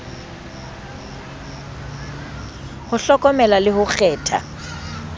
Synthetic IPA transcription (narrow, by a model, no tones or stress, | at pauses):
hʊɬɔkʼɔmɛlalɪhʊk͡xʰɛːtʰa̰